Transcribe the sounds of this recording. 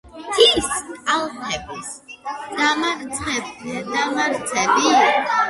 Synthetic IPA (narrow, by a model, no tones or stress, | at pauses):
t̪ʰiskʼalˠχʰɛbisd̪̥ama | d̪amaɾt̪sʰɛbi